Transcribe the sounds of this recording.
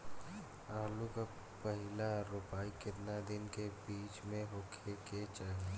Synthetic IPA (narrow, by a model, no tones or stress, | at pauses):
aːluka | pəɦɪlaɾʊpaːikɪt̪nad̪ɪnkebiːt͡ʃmẽɦʊkʰeket͡ʃaːɦe